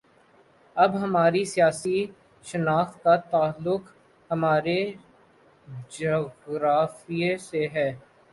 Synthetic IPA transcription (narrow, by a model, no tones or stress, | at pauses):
ɐbɦɐmaːɾisijaːsi | ʃɐnaːxt̪̚kat̪aːlːʊk | hɐmaːɾe | d͡ʒoːɣɾaːfijeseɦɛː